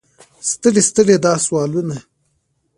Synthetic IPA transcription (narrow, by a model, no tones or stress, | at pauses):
st̪əɽest̪əɽed̪ɑːswɑːlwine